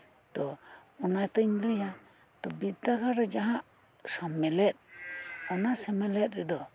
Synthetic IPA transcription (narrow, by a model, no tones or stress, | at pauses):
t̪ɔɔnajt̪əɲləja | t̪ɔbiakaɾɛd͡ʒaɦãʔ | sɔmɛlɛt̪̚ɔnasɛmɛlɛt̪̚ɾɛd̪ɔ